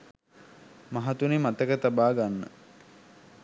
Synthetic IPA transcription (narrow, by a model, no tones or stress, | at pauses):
maɦat̪unimat̪əkət̪abaːɡanːə̰